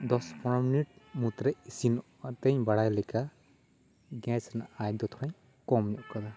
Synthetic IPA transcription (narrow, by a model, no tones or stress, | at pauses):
d̪ɔspʰɔɾɔminiʈ̚mut̪ɾɛisin | at̪eɲbaɽajlɛka | ɡɛ̃snaajd̪ɔt̪ʰɔɾaɲ | kɔmɲukad̪a